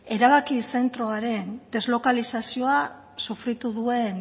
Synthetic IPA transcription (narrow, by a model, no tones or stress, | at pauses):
e̞ɾaβakise̞nt̪ɾo̞aɾe̞nd̪̥e̞zlo̞kalisasio̞a | sufɾit̪uðue̞n